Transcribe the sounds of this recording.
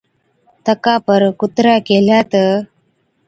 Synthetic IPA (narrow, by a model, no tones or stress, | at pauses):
t̪əkapəɾkut̪ɾakeljat̪ə